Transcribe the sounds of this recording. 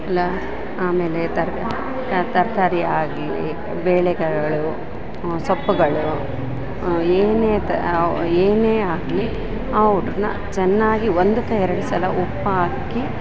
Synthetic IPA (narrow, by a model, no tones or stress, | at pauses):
ɐlːɐ | aːmeːlet̪ɐɾ | t̪ɐɾt̪aːɾiaːɡlḭ | beːɭɛɡɐɐɭu | sɐpːuɡɐɭu | eːneːt̪ɐeːneːaːɡli | ɐʋɾunɐ̰ | t͡ʃɛnːaːɡiond̪ɐt̪ɐɛɾɐɽusɐlɐʔupːɐaːkːi